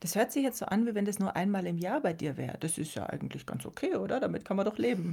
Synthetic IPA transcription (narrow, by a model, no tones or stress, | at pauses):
d̥ashøːɐtz̥ɪçjɛt͡stz̥o̰ːʔanviːvɛndasnuːɐʔa̰ɪnmaːlɪmjaːɐbaɪdiːɐvɛ̰ːʁəd̥asɪstja̰ːʔa̰ɪɡŋ̩tʰlɪçɡ̥a̰nt͡sʔo̰kʰeːʔoːdɐdamɪtkʰanmɐndɔχleːbm̩